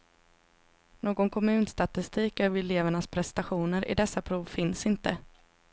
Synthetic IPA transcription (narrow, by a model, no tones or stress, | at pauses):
noːɡɔnkʰɔmʉ̟ːnst̪at̪ɪst̪iːkœːvɛleːvəɳaspʰɾɛst̪aɧuːnəɾʔɪ̰d̪ɛsːapʰɾuːvfɪnsɪnt̪ə